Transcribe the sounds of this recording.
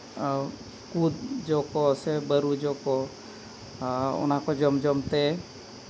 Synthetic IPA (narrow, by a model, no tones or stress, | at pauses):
kud̪d͡ʒokosebəɾud͡ʒoko | ʊ̰nakod͡ʒəmd͡ʒəmt̪e